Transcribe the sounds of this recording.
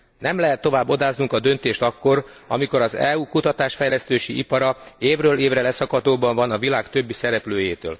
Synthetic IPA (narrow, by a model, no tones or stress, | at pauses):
nɛmlɛɦɛt̪ːo̞vaːbːo̞d̪aːznuŋkɒd̪ø̞nt̪eːʃt̪ɒkːo̞r | ɒ̰miko̞ɾɒzɛ̰uːkut̪ɒt̪aːʃfɛjlɛst̪øːʃiipɒɾɒeːvrøːleːvrɛlɛsɒkɒt̪oːbɒɱvɒnɒvilaːkt̪ø̞bːisɛɾɛpløːjeːt̪ø̰ːl